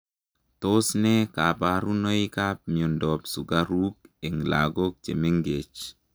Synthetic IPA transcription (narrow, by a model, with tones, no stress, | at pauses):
to˦snɛ˦ka˨paɾu˦no˦i˦ka˦p̚mi˨o˨ndɔ˨psu˨ɡaɾu˦ke˨ŋla̰ɡo˦k̚t͡ʃḛ˨me˦ŋɡe˨t͡ʃ